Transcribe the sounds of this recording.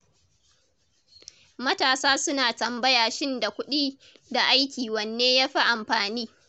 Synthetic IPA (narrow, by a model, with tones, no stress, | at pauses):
mɐ˦taː˨saː˦sʊ˦naː˨tɐ˨mbɐ˦jaː˨ʃɪ˦nda˨kʷʊ˦ɗiː˦ | da˨ʔa˦jkʲiː˨wɐ˨nːeː˦jaː˦ɸa˦ʔa˨mɸaː˨niː˦